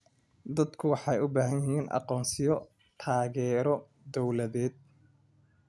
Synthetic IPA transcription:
d̪ɐd̪kʰʊwɑħɑjʊbaːɦɐnjɪɦiːnʔɑ̰qɔːnsɪjɔ | t̪ʰaːɣɛːɾɔ | d̪ɔwlɐðɛːd̪̚

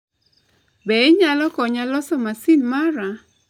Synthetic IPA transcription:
bɛɲalɔkɔɲalɔsɔmasinmaɾa

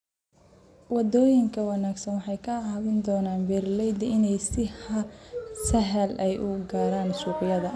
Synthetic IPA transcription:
wɑd̪ɔːjɪŋkʰɐwɑnaːɡsɐnwɑħɑjkʰɐhɐɣɪnd̪ɔːnaːnbɛːrlɛjd̪ɐɪnɛjsɪhɐsɐɦɐlʔɛjʔʊɡaːɾaːnʃuːqɪjɐðɐ

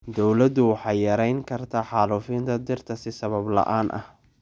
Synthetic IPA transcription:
d̪ɔwlɐd̪ʊwɑħɑjːɐɾɛjŋkʰɐrt̪ʰaːħɑːluːfɪnt̪ʰɐd̪ɪrt̪ʰɐsɪsɐβɐblɐ̰ʔaːnʔɐ̰h

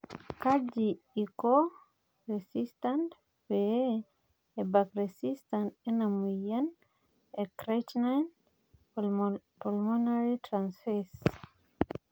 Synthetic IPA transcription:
kad͡ʒi | iko | ɹɛsistãnt | we | ebakɹɛsistãntenamujan | ekɹet͡ʃnan | pɔlmɔnaɹitɹãnsfɛs

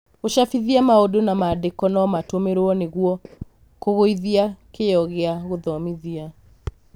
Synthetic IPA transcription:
oʃafiðiamaodonamaːdekɔnɔmatomeɾoɔneɣuɔ | koɣoiðiakejɔɣeaɣoðɔmiðia

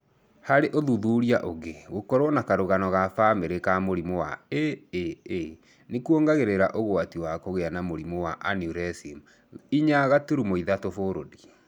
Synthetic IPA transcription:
haɾeʔoðuðuːɾiaʔoɣeɣokɔɾwɔnakaɾoɣanɔɣafameɾekamoɾimowa̰eeː | nekuoŋɡaɣeɾeɾaʔoɣoatiwakoɣeanamoɾimowaʔanjuɾɛsim | iɲaɣatuɾumoiðatofoɾodi

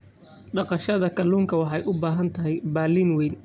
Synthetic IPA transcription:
ɖɑqɑʃɐðɐkʰɐlːuːŋkʰɐwɑħɑjʔʊbaːɦɐnt̪ʰɐɦɛjbaːlinwɛjn

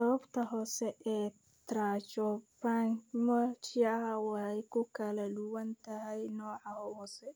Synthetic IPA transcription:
sɐβɐbt̪ʰɐɦɔːsɛʔɛː | t̪ʰɾaːt͡ʃɔpaŋmɔt͡ʃɪɐɦɐwɑhɛjkʰʊkʰɐlɐdʊwɐnt̪ʰɐɦɛjnɔːʕɑhɔhɔːsɛ

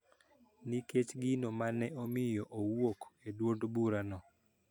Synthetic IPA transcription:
niket͡ʃɡɪnomanɛʔomɪjɔʔowokedwondbuɾanɔ

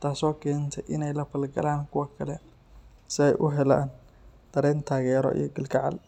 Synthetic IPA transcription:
t̪ʰaːsɔːkʰɛːnt̪ʰɛjʔɪnɛjlɐfɐlɡɐlaːnkʰʊwɐkʰɐlɛ | sɪɛjʔʊɦɛla̰ːn | d̪̥ɐɾɛːnt̪ʰaːɣɛːɾɔ̰ʔḭjɞɡɪlkʰɐʕɑ̰l

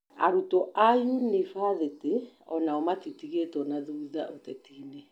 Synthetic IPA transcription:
a̰ɾutɔʔajunefaðeteɔnaɔmatitiɣetɔnaðuːðaʔotɛtiːne

